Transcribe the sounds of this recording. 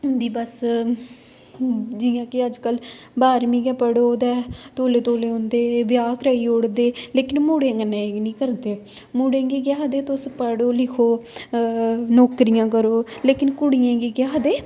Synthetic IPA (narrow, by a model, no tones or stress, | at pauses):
nd̪iːbəs | d͡ʒijãːkɪəd͡ʒkəl | baːɾmĩːɡɛ̃ːpəɽoːd̪ɛːt̪oːleːt̪oːleːɦõnd̪eːbɪjaːkɾəːiːoɽd̪eːleːkɪnmuːɽẽːɡənẽːnĩːkəɾd̪eːmuːɽẽːɡiːkjaːɦd̪eːt̪ʊspəɽoːlɪkʰoː | nɔːkɾijãːk̬əɾoːleːkɪnkʊɽijãːɡiːɡjaːɦd̪eː